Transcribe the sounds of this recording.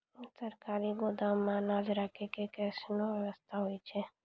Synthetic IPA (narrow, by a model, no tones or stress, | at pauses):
səɾkaɾiɡod̪amãnãd͡ʒɾakʰekekɛsnoʋjəʋəst̪ʰaɦojt͡ʃʰe